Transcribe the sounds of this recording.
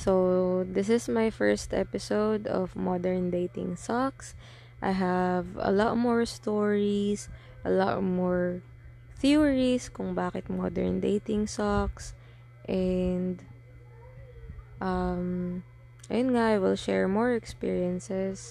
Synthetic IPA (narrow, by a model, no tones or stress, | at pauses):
sowd̪ɪs̬ɪsmajfɛɹst̪ɛ̰pɪsowd̪ɔ̰vmɔd̪ɛɹnd̪ejt̪ɪ̰̃ŋsɔks | ʔa̰jɦɐvɐ̰lɔt̪̚mɔɹst̪ɔɹis | ʔɐlɔ̰t̪mɔɹ | θiɹiskʊŋbaːkɪt̪̚mɔ̰d̪ɛ̰ɹnd̪ḛjt̪ɪ̃ŋsɔks | ʔɛnd̪ | ʔɐm | ʔɐ̰jʊnŋaʔajwɪlʃɛ̰ɹmɔɹɛkspḭɹiɛnsɛs